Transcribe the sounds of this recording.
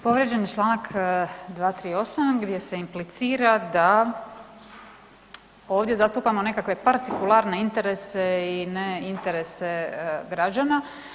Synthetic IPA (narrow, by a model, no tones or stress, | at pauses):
po̞ʋɾʲjed͡ʒenit͡ʃlˠaːnakd̪ʋaːt̪ɾiːo̞samɡd̪je̞se̞implit̪siːɾad̪a | o̞ːʋd̪je̞zast̪uːpamone̞kakʋe̞paɾt̪ikulˠaːɾne̞int̪e̞ɾe̞se̞ineint̪e̞ɾe̞seɡɾad͡ʒana